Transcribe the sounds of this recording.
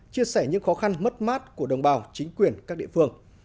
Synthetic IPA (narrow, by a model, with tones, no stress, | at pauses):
t͡ɕi˧əsɛ˧˩ɲɨ̰˧˥ŋxɔ˨˦xa˧nmə˦˥t̚maː˦˥t̚ku˧˩əɗə˨˩wŋ͡mɓaː˨˩wt͡ɕï˨˦ŋ̟kwi˨˩ənkaː˦˥k̚ɗḭ˧˨fɨ˧əŋ